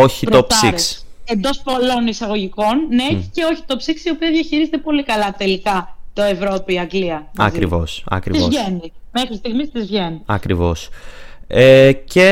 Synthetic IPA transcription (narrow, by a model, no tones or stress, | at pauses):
oçipɾopsiksend̪o̞spo̞lo̞nisɐɣo̞ʝiko̞nːei̥ce̞o̞çi̥t̪o̞psiksio̞piɐðʝɐçiɾizet̪epo̞likɐlɐt̪e̞likɐt̪o̞e̞vɾo̞piɐŋɡliɐnɐ̰kkiɾḭvosɐ̰kɾizoʝenime̞xɾist̪iɣmist̪izvʝe̞niɐkɾivo̞s | ece